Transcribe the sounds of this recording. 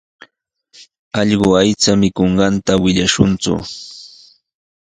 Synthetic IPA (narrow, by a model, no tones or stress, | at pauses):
ɑʎɢoajt͡samɪkoɴɢɑnt̪awɪʎaʃʊnt͡sʊ̰